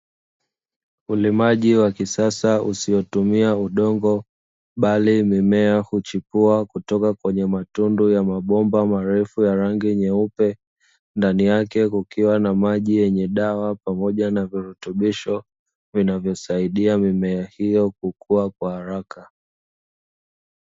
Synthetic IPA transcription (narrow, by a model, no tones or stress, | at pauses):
ulimaʄiwakisasausijɔtumiauɗɔŋɡɔ | ɓalimimɛahut͡ʃipuakutɔkakwɛɲɛmatundujamaɓɔmbamaɾɛfujaɾaŋɡiɲɛupɛ | ndanijakɛkukiwanamaʄijɛɲɛɗawapamɔʄanaviɾutuɓiʃɔ | vinavjɔsaiɗiamimɛahijɔk̚ukuakwahaɾakʰa